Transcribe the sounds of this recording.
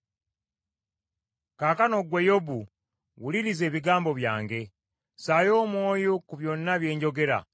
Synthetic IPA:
kaːkano̞ɡwejo̞bu | wuliɾize̞ːβiɡaːmbo̞βja̰ːŋɡe̞ | saːjo̞ːmwo̞ːjokuβjo̞nːaβje̞ːɲɟo̞ɡe̞ɾa̰

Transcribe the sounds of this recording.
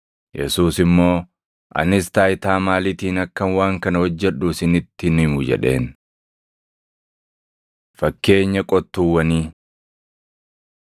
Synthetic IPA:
jɛ̰suːsɪmːo̞ː | ʔɐ̰nɪst̪aːɪt̪aːmaːlɪt̪iːnɐkːɐnwaːŋkɐnɐhɔd͡ʒːɛᶑuːsɪnɪt̪ːɪnɪmʊd͡ʒɛ̰ᶑe̞ːn | fɐkːe̞ːɲːɐkʼɔt̪ːuwːɐniː

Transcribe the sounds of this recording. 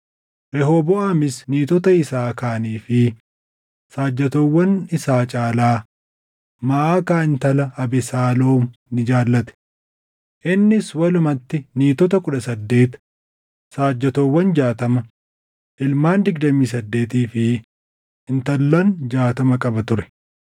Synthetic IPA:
ɾɛɦoːbɔɐmɪsniːt̪ɔt̪ɐɪsaːkaːniːfɪ | saːd͡ʒːɐt̪owːɐnɪsaːt͡ʃʼaːlaː | mɐʔaːkaːɪnt̪ɐlɐɐbɛsaːloːmnɪd͡ʒaːlːɐt̪ɛ̥ | ʔɪnːɪswɐlʊmɐt̪ːɪniːt̪ɔt̪ɐkʊᶑɐsɐd̪ːe̞ːt̪ | saːd͡ʒːɐt̪owːɐnd͡ʒaːt̪ɐmɐ | ʔɪlmaːnd̪ɪɡd̪ɐmiːsɐd̪ːe̞ːt̪̬iːfɪ | ɪnt̪ɐlːɐnd͡ʒaːt̪ɐmɐkʼɐbɐt̪ʊɾɛ̥

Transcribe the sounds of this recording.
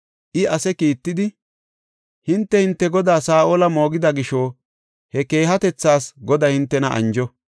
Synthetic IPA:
ʔɪɐsɛkiːt̪ːɪd̪ɪ | hɪnt̪ːɛhɪnt̪ːɛɡɔd̪aːsaːʔoːlɐmo̞ːɡɪd̪ɐɡɪʃoː | hɛke̞ːɦɐt̪ɛt͡sːaːsɡɔd̪ɐhɪnt̪ːɛnɐʔɐ̰nd͡ʒɔ

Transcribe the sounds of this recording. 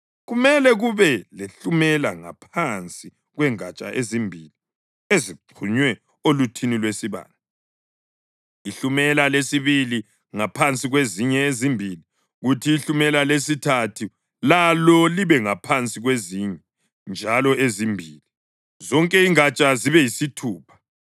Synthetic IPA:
ɣumɛlɛɣuβɛleɬumɛlaŋa̰pʰant͡sʼi | ɣwɛŋat͡ʃʼa̰ʔezimbʱiːli | eziǀʰuɲwɛ | olutʰinilwesiβa̰ːnda | iɬumɛlalesiβili | ŋapʰant͡sʼiɣweziɲɛezimbʱili | ɣutʰiːɬumɛlalesitʰatʰu | lalɔliβɛŋapʰant͡sʼiɣweziɲɛ | nd͡ʒʱalɔʔezimbʱiːli | zɔŋkʼɛiŋat͡ʃʼaziβɛjisitʰuːpʰḁ

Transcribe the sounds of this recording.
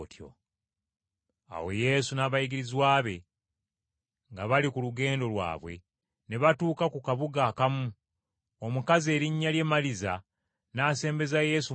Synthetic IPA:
tjo̰ | a̰wo̞je̞sunaβajiɡiɾizwaːβe̞ | ŋɡaβalikuluɡe̞ːndo̞lwa̰ːβwe̞̰ | ne̞βatuːkakukaβuɡakamu | omukaze̞ːɾiɲːalje̞maliza̰ | naːse̞ːmbe̞zaje̞ːsu

